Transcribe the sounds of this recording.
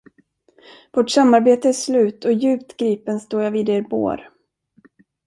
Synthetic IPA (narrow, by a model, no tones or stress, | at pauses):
voːʈsamːaɾbeːt̪əæʂlʉ̟ːt̪ʰɔjʉ̟ːpt̪ɡɾiːpənst̪oːɾjaviːd̪eːɾbo̰ːɾ